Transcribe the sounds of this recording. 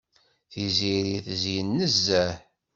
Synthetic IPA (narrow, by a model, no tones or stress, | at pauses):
θiziɾiθzjənːəzːæ